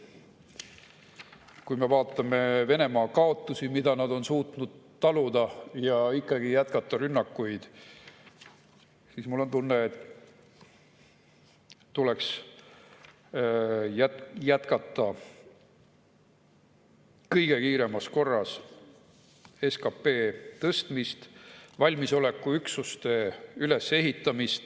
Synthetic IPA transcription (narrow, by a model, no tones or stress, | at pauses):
kujmevɑːt̪ːˑɑme̞ve̞ne̞mɑːkɑo̞t̪ːˑusimid̪ɑnɑd̪o̞nsuːt̪nud̪̥t̪ːɑlud̪̥ɑjɑikːˑɑɡ̥ijæt̪kɑt̪ˑːɑɾynːɑkːˑujd̪̥ | sismulːo̞nt̪unːeet̪ | t̪uleks | jæjæt̪kɑt̪ˑːɑ | kɤjɡ̥e̞kiːɾe̞mɑsko̞rːɑs | eskɑpːe̞ːt̪ɤst̪mist̪vɑlʲmiso̞le̞kːˑuyksust̪e̞yle̞se̞ɦit̪ːˑɑmist̪